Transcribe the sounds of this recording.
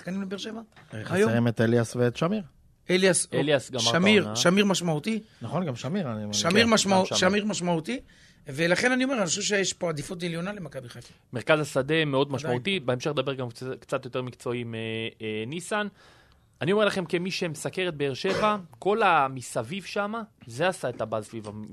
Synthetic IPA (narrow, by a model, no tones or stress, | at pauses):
akanimlebeʁʃevaχjʁimet̪eljasveːt̪ʃamiʁ | eljaseljasɡaaamiʁʃamiʁmaʃmaut̪inaχo̞nɡamʃamiʁaniomeʁʃamiʁmaʃmauʃamiʁmaʃmaut̪i | velaχe̞nanio̞meanioʃɛvʃ̬ejeʃpoad̪ifut̪eljo̞nalemakabiχat | meʁkazasad̪e̞meo̞d̪maʃdmaut̪ibeemʃe̞χledabe̞ʁɡamkt͡sat̪jo̞t̪e̞ʁmikt͡so̞imenisan | anioelaχe̞mkemiʃemesake̞ʁet̪̚be̞eʁʃe̞vako̞lamisavivʃamaze̞asae̞t̪abazsviva